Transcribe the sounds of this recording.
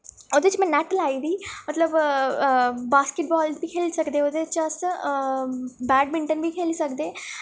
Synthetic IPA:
od̪et͡ʃmɛ̃ːnɛːʈəlaːid̪iːmət̪ləb | baːskɪʈ̚bɔːlzbʱiːkʰeːlsɐkd̪eːod̪et͡ʃəs | bɛːɖmɪ̃ɳʈənbʱikʰeːlisəkd̪eː

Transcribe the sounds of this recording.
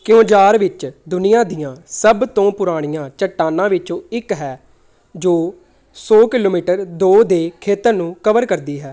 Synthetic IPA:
kɪõːd͡ʒaːɾʋɪt͡ʃd̪ʊnɪjãːd̪ɪjãːsəbt̪õːpʊɾaːɽ̃ɪjãːt͡ʃəʈːaːnãːʋɪt͡ʃõːɪkɦɛː | d͡ʒoː | sɔːkɪloːmiːʈəɾd̪oːd̪eːkʰeːt̪əɾnũːkəʋəɾkəɾd̪iːɦɛː

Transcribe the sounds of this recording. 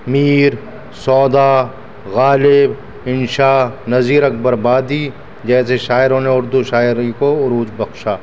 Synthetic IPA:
miːɾ | sɔːd̪aː | ɣaːlɪb | ɪnʃaːnɐziːɾɐk̚bɐɾbaːd̪i | d͡ʒɛːseʃaːɪɾõneʊɾd̪uʃaːɪɾikoʊɾuːd͡ʒbɐxʃaː

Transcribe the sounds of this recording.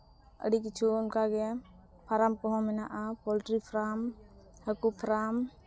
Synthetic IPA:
ə̰ɖik̬it͡ʃʰunkaɡɛ | pʰaɾamkɔɦɔ̃mɛnaʔapɔlʈɾipʰɾam | həkupʰɾam

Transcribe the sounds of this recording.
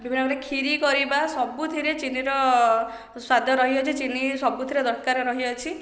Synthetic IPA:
bibʱinːɔkɾekʰiɾikɔɾibasɔbut̪ʰiɾet͡ʃiniɾɔ | swad̪ʱjɔɾɔɦiɔt͡ʃʰit͡ʃinisɔbut̪ʰiɾed̪ɔɾkaɾɔɾɔɦiɔt͡ʃʰi

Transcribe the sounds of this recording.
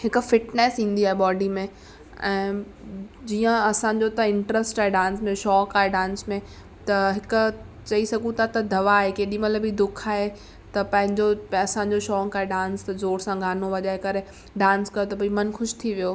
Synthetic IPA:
hɪkfɪʈneːsĩːn̆d̪iaːɦeɓɔːɖimẽ | ɛ̃ː | d͡ʑiːə̃ɐsãːɲ̆d͡ʑot̪ɐɪ̃ɳʈɾəsʈaːɦeɖãːnsmẽʃɔːkaːɦeɖãːnsmẽ | t̪ɐɦɪkʊ | t͡ɕɐisɐɡʱũt̪ʰat̪ɐd̪ɐʋaɦɪkeɗiməɐləbid̪ʊkʰaːɦe | t̪ɐpɐ̃ɦɪ̃ɲd͡ʑoɐsãːɲ̆d͡ʑoʃɔːkaːɦeɖãːnst̪ɐzoːɾsãɡʱaːnoʋɐʄaːɦekɐɾe | ɖãːnskɐjot̪ɐpɐimɐnxʊʃt̪ʰiʋijoː

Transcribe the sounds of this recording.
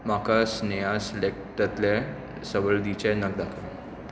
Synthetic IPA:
makasnəjaslek̚t̪ət̪lɛ̃ | səʋəɭd̪it͡ɕɛnək̚d̪akʰə

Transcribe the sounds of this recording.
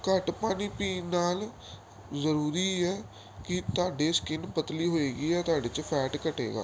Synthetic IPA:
kəʈpaːniːpiːnaːl | zəɾuːɾiːɦɛː | kɪt̪ʊaːɖeːskɪnpət̪liːɦoːeːɡiːɦɛːt̪ʊaːɖeːt͡ʃpʰɛːʈkəʈḛːɡa̰ː

